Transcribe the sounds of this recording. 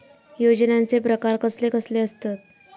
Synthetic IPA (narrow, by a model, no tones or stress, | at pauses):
jod͡ʑnjant͡sepɾəkaɾkəslekəsleəst̪at̪̚